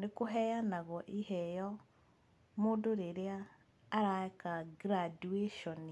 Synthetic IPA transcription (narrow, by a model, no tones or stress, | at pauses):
nekoɦɛjanaɣɔʔihɛjɔ | moːndoɾeɾeaː | ɾaɛkaɡɾadueʃɔni